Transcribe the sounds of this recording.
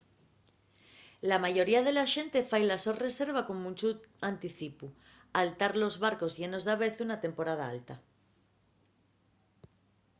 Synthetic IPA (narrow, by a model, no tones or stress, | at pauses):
lamaʝo̞ɾiað̞e̞laʃe̞nt̪e̞fajlasore̞se̞ɾβ̞ako̞munʲt͡ʃut̪ant̪iθipu | alt̪aɾlo̞zβaɾko̞zʝe̞no̞zðaβe̞θunat̪e̞mpo̞ɾað̞a̰a̰lt̪a